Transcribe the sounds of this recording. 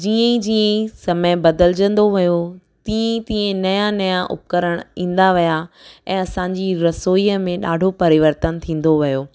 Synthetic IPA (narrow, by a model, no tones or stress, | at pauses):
d͡ʑiːə̃id͡ʑiːə̃isɐməbɐd̪əld͡ʑə̃nd̪oʋijo | t̪iːə̃it̪ĩːẽnɐjanɐjaʔʊ̰p̚kəɾəɽ̃ĩːn̆d̪aʋija | ɛ̃ːɐsãːɲd͡ʑiɾɐsoːiəmẽɗaːɖʱopɐɾɪʋəɾt̪ənt̪ʰĩːn̆d̪oʋijoː